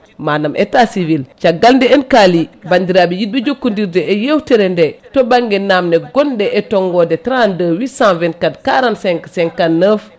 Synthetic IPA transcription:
maːnamʔɛ̰tasivilt͡ʃaɡːaldɛɛnkalibandiɾabijid̚bed͡ʒokːundiɾdɛːjewtɛɾɛndɛtobaŋɡɛnamnɛɡɔndɛʔɛtɔŋɡɔdɛtɾãndəwisãvɛnkadkaɾansɛŋksɛŋkanːəf

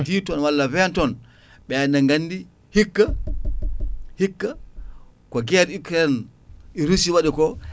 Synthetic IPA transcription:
titɔnwalːavɛntɔn | ɓɛnaŋɡanːdi | hikːa | hikːa | kɔɡɛɾukɾɛniɾusiwaɗikɔ

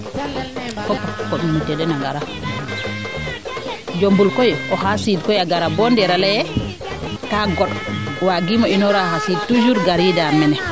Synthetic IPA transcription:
kɔpːɔkːɔminutɛdɛnaŋɡaɾa | d͡ʒombulkɔjʔɔhasidkɔjaɡaɾabɔndɛɾalajɛ | kaɡɔɗwaɡimɔinɔɾahasid̚tud͡ʒuɾɡaɾidamɛnɛ

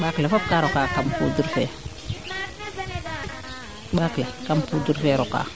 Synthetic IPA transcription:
baːklefop̚kaɾokaːkampṵːduɾfɛː | baːklekampuduɾfɛɾoka̰ː

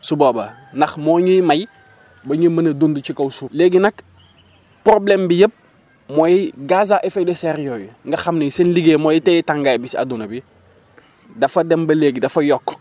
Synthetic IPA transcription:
suboːbɐ | nɐxmoːɲujmaj | bɐɲumɐnɐdundut͡ʃikɐwsuleːɡinɐk | pɾoblembijəp̚ | moːjiɡaz̬aʔefɛdeseɾjoːjuŋɡɐxɐmneŋsenliɡeːmojitejitaŋɡajbisa̰dunɐbi | dɐfɐdembɐleːɡidɐfɐjɔkː

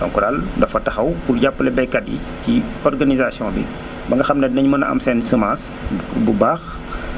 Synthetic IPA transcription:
tɔ̰ŋkuɾaldɐfɐtɐxɐwpurɟapːəlɛbɛjkɐdḭ | ciɔrɡanizasijɔ̃bḭ | bɐŋɡɐxɐmnɐnɐɲmɐnɐʔɐ̰msɛnsəmas | bubaːx

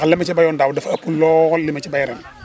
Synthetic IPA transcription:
ɐlːɛmɐt͡ʃɛbajɔndawdɛfɐpːulɔɣɔlːimɐt͡ʃibajɾɛn

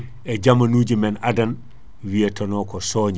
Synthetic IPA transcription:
ɛɟamanuːɟimɛnadan | wietɔnɔːkɔsɔːɲi

